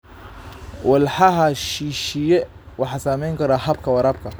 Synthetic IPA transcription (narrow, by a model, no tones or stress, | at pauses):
wʔɑlħɑɦɐʃiːʃɪjɛ | wɑħɑːsaːmɛjŋkʰɐɾaːhɐbkʰɐwɐɾɐːb̚kʰɐ